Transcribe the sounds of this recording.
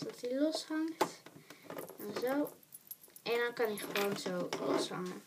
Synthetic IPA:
tɔtilɔshɑŋt | ɛnzow | ʔɛndɔnkɑniχəʋownzowlɔ̰shɑ̰ŋən

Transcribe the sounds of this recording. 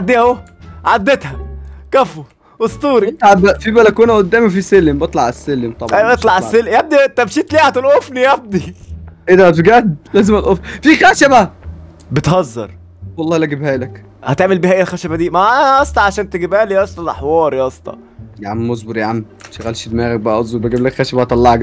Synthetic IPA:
ʕad̪ːihæo | ʕad̪ːet̪hækæfo | ʔost̪ˤuːɾt̪ʕbfibælækuːnæʔod̪ːæːmfiselembet̪ˤlɑʕesːelːemt̪ˤɑʔæʔet̪ˤlɑʕesːelːjæb̚d̪it̪æmʃiːt̪liːʕæt̪elʔofnijæb̚d̪iʔed̪æfɡæd̪læːzemæt̪ʔoffixæːʃæbæ | bet̪hɑzˤːɑ̰ɾˤ | wɑlˤːɑːlæɡibhæːlæk | hæt̪eʕmelbiːhæʔælxæʃæbæd̪iːmæææʔɑsˤt̪ˤɑʕaʃæːnt̪eɡibæːliʔɑst̪ˤɑlʔɑ̰ħwɑːɾiʔɑsˤt̪ˤɑ̰ | jʕamːozboɾjaʕam | ʃæɣælʃed̪mæːɣæk̚bæʔæʔozˤobæɡæblækxæʃæbæht̪ˤɑlːɑʕæk

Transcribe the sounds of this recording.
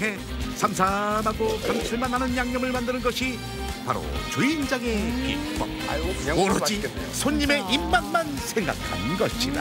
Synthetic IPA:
ɦe̞ | sʰamsʰamaɡokamt͡ɕʰiɭmanɦanɯnjaŋɲʌmɯɭmandɯnɯnɡʌɕʰi | pa̰ɾo̰t͡ɕuind͡ʑaŋe̞kḭ | moɾʌd͡ʑi | sʰoɲːime̞ʔimmanmansʰe̞ŋɡa̰kʰa̰nɡʌɕʰḭda̰

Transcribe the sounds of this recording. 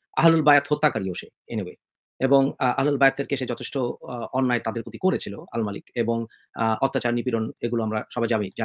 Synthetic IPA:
a̰ɦlulbajat̪ɦot̪ːakaɾioʃe | enebe | eboŋa̰ɦalulbajat̪̚ːeɾkeʃed͡ʑɔt̪ʰeʃʈoɔnːaet̪ad̪eɾpɾot̪ikoɾet͡ɕʰiloa̰lmalikeboŋ | ɔt̪ːat͡ɕaɾnipiɾoneɡuloamɾaʃɔbʱajamid͡ʑa

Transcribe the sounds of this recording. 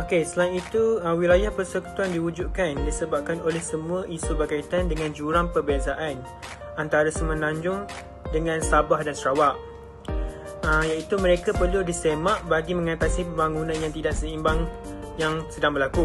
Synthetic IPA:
okesəlaŋit̪uəwilajahpərsəku̥t̪uandiud͡ʒuʔ̚kandisəbap̚kanolɛhsəmũaʔisubərkait̪andəŋãnd͡ʒuɾaŋpərbiasaʔan | ant̪aɾasəmə̃nãɲd͡ʒʊŋ | dəŋãnsabahdansəɾawaʔ | əjait̪umə̃ɾekapərludisemãʔbaɡimə̃ŋat̪asipəmbaŋunãnjaŋt̪idaʔsəimbaŋjaŋsədaŋbərlaku

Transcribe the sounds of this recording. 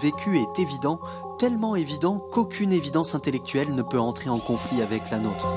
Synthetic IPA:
vekʲyɛt̪evid̪ɑ̃ | t̪ɛlmɑ̃evid̪ɑ̃kokʲʰynevid̪ɑ̃sɛ̃t̪elɛk̚t̪ɥɛlnəpøɑ̃t̪χeɑ̃kɔ̃fliavɛklanoːt̪χ

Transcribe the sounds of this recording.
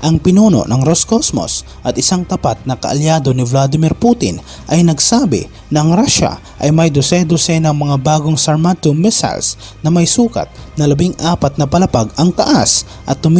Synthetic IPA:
ʔɐŋpɪnuːno̞̰nɐŋɾoskosmo̰s | ʔɐt̪ɪsaŋt̪ɐpat̪̚nɐkɐʔɐljaːd̪onɪvlad̪ɪmɪɾput̪ɪ̰n | ʔɐjnɐɡsaːbɪ̰ | nɐɐŋɾaʃa̰ | ʔɐjmɐjd̪ʊsɛd̪ʊsɛnɐŋmɐŋabaːɡoŋsɐɹmat̪ʊmɛsa̰ls | nɐmɐjsuːkɐ̰t̪̚nɐlɐbiŋʔaːpɐt̪̚nɐpɐlɐpaɡɐŋt̪ɐʔas | ʔɐt̪ːʊm

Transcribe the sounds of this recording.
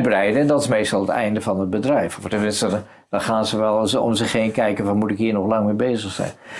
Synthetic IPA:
brɛjdəɛndɑtɪ̥smejstɑlˠətɛ̰jndəvɑnəd̚bədrɛjfɔftɛnmɪnstə | d̥ɑχaːnzəʋɛlˠəɔ̰mzəχeːnkɛjkənvɔnmutɪkɦiːɹnɔχlɑŋmɪːbejzəχsɛ̰jn

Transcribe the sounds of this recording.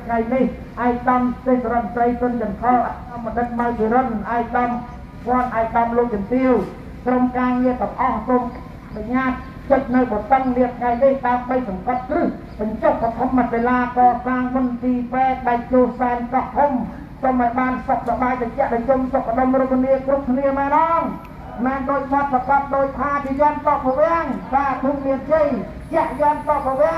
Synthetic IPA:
t̪ʰŋajnih | ʔaɛk̚ɗɑmt̪eːsaɾɔt̪̚srəjsʊnt͡ɕɑnkʰɑlʔa | məɗɨt̪̚mawkiɾənʔaɛk̚ɗɑn | p̪ʰŏənʔaɛk̚ɗɑmloːk̚t͡ɕɑnt̪iəw | kromkaːŋiək̪ɑŋʔɑhsoːm | ʔaʔnuɲaːt̪̚ | t͡ɕəc̚nɨwɓɑt̪əŋniəʔt̪ʰŋajnihɗaəmɓəjsɑŋkɑt̪̚krɨh | ɓɑɲt͡ɕohkat̪ʰumːat̪ːelaːkɑːsaːŋɓont̪iːpɛːk̚ɗaɛlt͡ɕoːhsaɛnkɑʔt̪ʰum | t͡ɕomʔɔːjɓaːnsop̚sɑɓaːjɗat͡ɕɛ̆əʔɗaːt͡ɕomsokʰːaɗomrokʰniəkrup̚kʰniəmaːnɔːŋ | mɛːnɗoːc̚sɑt̪̚pakɑt̪̚ɗoːc̚t̪ʰːaːt͡ɕiəjɔnsɑʔpɔʋɛəŋɓaːk̪uʔmiənt͡ɕəj | t͡ɕɛ̆əʔjɔnsɑʔpɔʋɛ̆ə

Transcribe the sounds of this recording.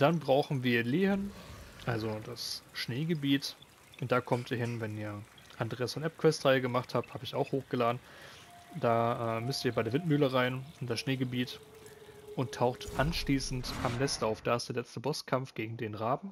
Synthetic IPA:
d̥anbʁaʊxn̩viːɐleːɦənʔalzod̥asʃneːɡəbiːt | ʔʊnt̚d̥aːkʰɔmtiːɐɦɪnvɛniːɐ | ʔandʁeːasfɔnʔɛp̚kʰv̥ɛstʁ̥aɪəɡəmaχthaːp̚thaːbəɪçaʊxhoːxɡ̥əlaːdn̩ | d̥aːʔɛːmʏstiːɐbaɪdeːɐvɪntmyːləʁaɪnʊnd̥asʃneːɡəbiːt | ʔʊntʰːaʊxtʔanʃliːsn̩tʔamnɛstʔaʊfd̥aːɪstd̥eɐlɛt͡stəbɔskʰamfɡ̥eːɡŋ̩deːnʁaːbm̩

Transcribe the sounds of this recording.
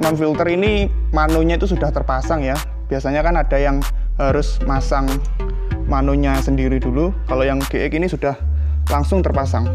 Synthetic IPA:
nɔnfilt̪ərinimanoɲait̪usud̥aht̪ərpasaŋja | b̥iasaɲakanad̥ajaŋɦaɾʊsmasaŋ | manoɲasəndiɾidulukalojaŋɡ̥eʔɛkinisud̥ah | laŋsʊŋt̪ərpasaŋ

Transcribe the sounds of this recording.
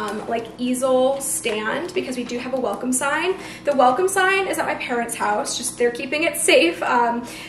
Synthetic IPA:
mlaɪkizl̩ˠstæ̃ndbɨkʰʌzwidɨɨvəwɛlˠkə̃m̩sãɪ̃n | ðɨwɛlˠkə̃msãɪ̃nɨzət̚maɪpʰɛɹɨ̃ntshaʊsd̥ʒ̥ʌs̚ðə˞kʰipɪ̃ŋɪtseɪfʌ̃m

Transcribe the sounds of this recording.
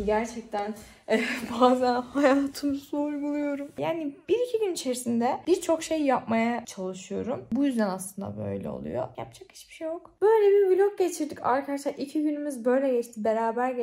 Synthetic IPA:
ɟæɾt͡ʃʰɛc̚t̪ʰæn | ɛbaːzænhajaːt̪ʰɯmɯsouɾɡulˠujo̞ɾumjaːnibiɾicʰiɟynit͡ʃʰe̞ɾisind̪ɛb̥iɾt͡ʃʰo̞kʃe̞jːap̚majat͡ʃʰalˠɯʃɯjo̞ɾumbujyzd̪ænaslˠɯnd̪a̰bø̞̰jlʲɛ̰o̞̰lˠṵjo̰ja̰p̚d͡ʒʰakhi̥t͡ʃbiʃejokb̥øjlʲɛbiɾvilʲok̚ɟe̞t͡ʃʰiɾd̪ica̰ɾkʰad̪aʃlˠaɾʔicʰiɟynymyzbø̞jlʲɛɟɛt͡ʃt̪ʰibe̞ɾaːbæɾɟ

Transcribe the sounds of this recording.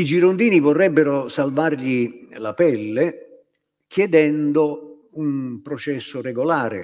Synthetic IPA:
id͡ʒiɾond̪iːnivɔrːɛbːeɾʊsalvarʎilapɛlːe | kʰjɛd̪ɛnd̪ʊ | umpɾɔt͡ʃɛsːʊrɛɡolaːɾɪ̰

